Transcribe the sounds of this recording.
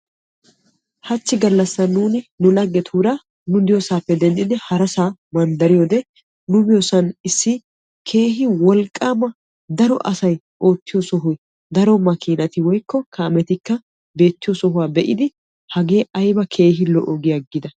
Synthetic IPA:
hɐt͡ʃːɪɡɐlːɐsːɐnuːnɪnʊlɐɡːɛt̪ʰuːɾa | nʊd̪ɪjosaːpːɛd̪ɛnd̪ɪd̪ɪhɐɾɐsaːmɐnd̪ɐɾɪjod̪ɛ | nʊbɪjosɐnɪsːɪ | kʰe̞ːɦɪwɔlkʼːaːmɐ | d̪ɐɾɔ̰ʔɐsɐj | ʔo̞ːt̪ːɪjɔsɔɦʊj | d̪ɐɾɔmɐkiːnɐt̪ɪwɔjkːɔkʰɐːmɛt̪ɪkːɐ | be̞ːt̪ːɪjɔsɔɦʊwaːbɛʔɪd̪ɪ | hɐɡe̞ːʔɐjbɐkʰe̞ːɦɪlɔʔoɡɪjaɡːɪd̪ɐ

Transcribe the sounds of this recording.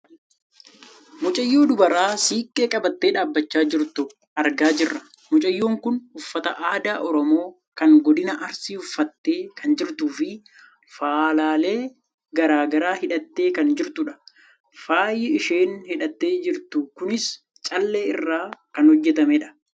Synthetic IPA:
mʊt͡ʃʼɐjːuːd̪ʊbɐɾaːsiːkʼːe̞ːkʼɐbɐt̪ːe̞ːᶑaːbːɐt͡ʃːaːd͡ʒɪɾt̪ʊ | ʔɐɾɡaːd͡ʒɪrːɐ | mʊt͡ʃʼɐjːuːŋkʊnʊfːɐt̪ɐʔaːd̪aːʔɔɾɔmo̞ː | kɐŋɡɔd̪ɪnɐʔɐɾsiːʊfːɐt̪ːe̞ːkɐnd͡ʒɪɾt̪uːfɪ | faːlaːleː | ɡɐɾaːɡɐɾaːhɪᶑɐt̪ːe̞ːkɐnd͡ʒɪɾt̪ʊᶑɐ̥ | faːjːɪɪʃe̞ːnhɪᶑɐt̪ːe̞ːd͡ʒɪɾt̪ʊkʊnɪs | t͡ʃʼɐlːe̞ːɪrːaːkɐnhɔd͡ʒːɛt̪ɐmeᶑɐ̥

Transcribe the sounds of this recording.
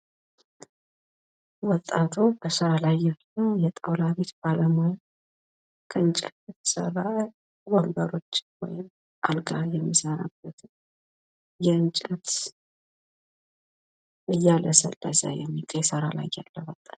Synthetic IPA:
wɔt̪ʼːat̪ʰubəsəɾalajːalːəjɛt̪ʼəwlaβe̞t̪b̥aləmoj | kʰəɨnt͡ʃʼɛ̰t̪jɛt̪ʰə̥sə̰rːa | wəmbəɾo̞t͡ʃːɪwɔjɪm | ʔalɡajɛmːisəɾa̰b̥ːət̪ʰɨ | jɛɨnt͡ʃʼət̪ | ɨjːaləsə̰lːa̰za̰jɛmit̪ʼsəɾala̰jːa̰lːəwɔt̪ʼːat̪

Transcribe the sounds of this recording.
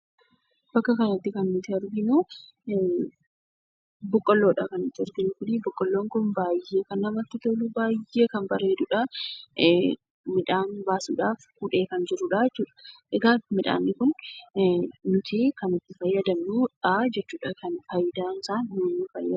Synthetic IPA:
b̥ɐkːɐkɐnɐt̪ːɪkɐnmɪt̪ɪɐɾɡɪnu | bɔkʼːɔlːoːᶑɐkɐnɪt̪ːɪɔɾɡɪnʊkʊnibʊkʼːɔlːoːŋkʊnbaːjːeːkɐnːɐmɐt̪ːɪt̪ɔlʊbaːje̞ːkɐnbɐɾeːd̪ʊᶑɐ | mɪᶑaːnbaːsṵːᶑaːfhʊᶑe̞ːkɐnd͡ʒɪɾʊᶑad͡ʒɛt͡ʃːuːᶑɐ̥ʔɛɡaːmɪᶑa̰ːnːɪkʊn | nʊt̪ʰɪkɐnɪt̪ːɪfɐjːɐd̪ɐmnuᶑad͡ʒɛt͡ʃːuːᶑakʰɐnfɐjd̪aːnsaːnoːnːɪfɐjːɐ

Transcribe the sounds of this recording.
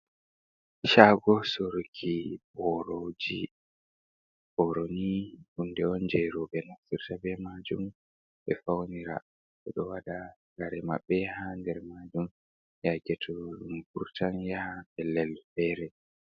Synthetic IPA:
ʃaɡɔsoɾkʰibɔɾod͡ʒi | ʔɔɾoniʔundɛɔnd͡ʒɛɾɔbɛnasiɾtabɛmad͡ʒum | ɓɛfawniɾa̰ | ɗɛɗɔwaɗaŋɡaɾɛma̰ɓːɛhandɛɾmaːd͡ʒum | jaɡɛtʰɔɾumkuɾtanjahabɛlɛlfɛɾɛ

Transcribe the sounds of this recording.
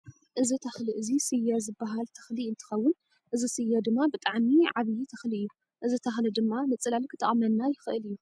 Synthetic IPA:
ʔɨzit̪ʰɐxliʔɨzisɨjːazɨbːaɦalt̪ʰɐ̥xliɨnt̪ʰɨ̥xɐwːʊn | ʔɨzisɨjːad̪ɨmːabɨt̪ʼaʕmiʕaβjit̪ʰɐxliɨjːu | ʔɨzit̪ʰɐxlɨd̪ɨmːamɨt͡sʼːɨlalkʰɨt̪ʼɐ̰χʼmɐlnajɪxɨʔɨlɨjːu

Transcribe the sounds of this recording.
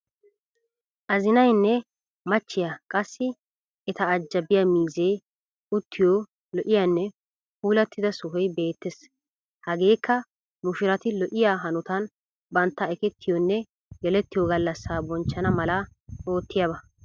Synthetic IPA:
ʔɐzɪnɐjnːɛ | mɐt͡ʃːɪjɐkʼɐsːɪ | ɛt̪ɐːd͡ʒːɐbɪjamiːze̞ː | ʊt̪ːɪjoː | lɔʔɪjanːɛ | puːlɐt̪ːɪd̪ɐsʊɦɔjbe̞ːt̪ːes | hɐɡe̞ːkʰːɐ | mʊʃɪɾɐt̪ɪlɔʔɪjaːɦɐnʊt̪ɐn | bɐnt̪ːɐɛkɛt̪ːɪjɔnːɛ | ɡɛlɛt̪ːɪjɔɡɐlːɐsːaːbɔnt͡ʃːɐnɐmɐlɐ | o̞ːt̪ːɪjɐbɐ

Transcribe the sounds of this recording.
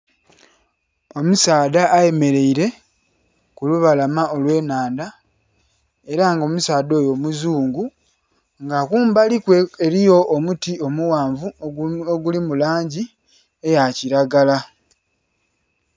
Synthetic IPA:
o̞musaːdaːje̞me̞ɾe̞iɾe̞ | kuluβalamaʔo̞lwe̞ːnaːnda | e̞ɾaŋɡo̞musaːdo̞ːjo̞muzuːŋɡu | ŋɡakuːmbalikweeɾijo̞ʔːmutio̞muwaːɱvuoɡulimulaːɲɟi | e̞jaciɾaɡala

